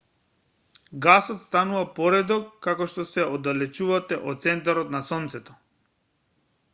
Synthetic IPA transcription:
ɡasɔt̪st̪anuvapɔɾɛd̪ɔkːakɔʃt̪ɔsɛɔd̪alɛt͡ʃuvat̪ɛʔɔ̰t̪sɛnt̪̬aɾɔt̪nasɔnt̪sɛt̪ɔ̥

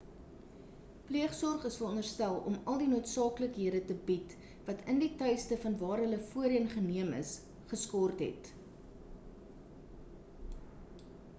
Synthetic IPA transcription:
pliəχsɔrχəsfərɔndərstælˠɔ̰mɐlˠdinuətsɑːkləkɦiədətəbit | vɐtʰənditœjstəfɐnvɑːɾɦələfuəɾiənχəniəmə̰s | χəskɔrtɦɛ̰t

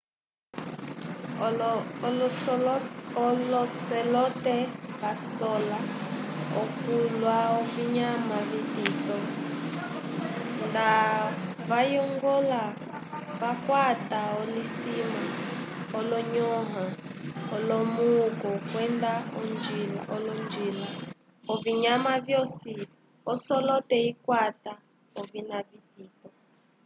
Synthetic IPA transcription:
ɔlɔsɛlɔtɛβasɔla | ɔ̰kulwaɔviɲamaβititɔ | nda | βajɔŋɡɔla | vakwataɔlisimaɔlɔɲɔɦaɔlɔmukɔkwɛndaɔnd͡ʒila̰ʔɔlɔnd͡ʒila | ɔviɲamavjɔsi | ɔsɔlɔtɛikwata | ɔvinavitiːtɔ

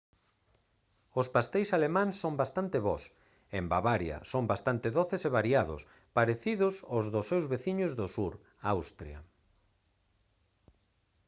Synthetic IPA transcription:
ospast̪ejsalemãŋsːõmbast̪ant̪ɪβɔs | embaβaɾja̰sombast̪ant̪ɪðoθɪseβaɾiaðʊ̰s | paɾeθiðʊsʊzðʊsːewzβeθiɲʊzðʊsuɾ | awst̪ɾja̰

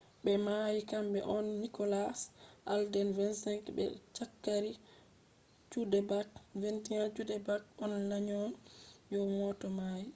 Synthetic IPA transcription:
bɛmajikambɛʔɔnːikɔlasʔaldɛnvɛnsɛŋkbɛ̰t͡ʃakːaɾi | t͡ʃudɛbakventiant͡ʃudɛbakɔnlaɲɔnjɔmɔtɔmaji

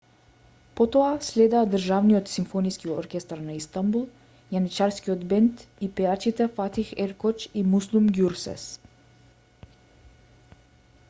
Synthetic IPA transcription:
pot̪oaslʲɛd̪aːd̪ər̩ʒavniot̪simfoniskiɔɾkʲɛst̪aɾnaist̪ambulˠ | janit͡ʃaɾskiot̪bɛnt̪ipɛjat͡ʃit̪ɛfat̪ixɛɾkɔt͡ʃimuslˠumɡjuɾsɛ̰s

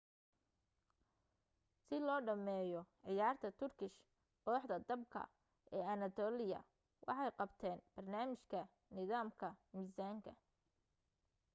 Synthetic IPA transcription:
sɪlɔːɖɐmɛːjɔʕɪjaːrt̪ʰɐt̪ʰʊrkʰɪʃ | qɔːħd̪ɐd̪ɐb̚kʰɐ̰ | ʔɛːɐnɐt̪ʰɔːlɪjɐ̰ | wʔɑ̰ħɑjqɑbt̪ʰɛːnb̥ɐrnaːmɪʃkʰɐ | nɪðaːmkʰɐmiːsaːŋkʰɐ̰

